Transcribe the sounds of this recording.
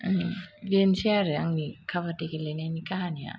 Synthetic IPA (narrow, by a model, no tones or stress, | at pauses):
bensiaɾɯaŋnikʰaβatekelenanikaɦania̰